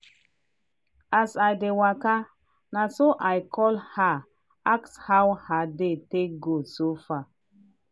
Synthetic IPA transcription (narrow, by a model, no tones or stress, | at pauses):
asajdewaka | nasoʔajkʰɔlha | akshawhadeteɡosofa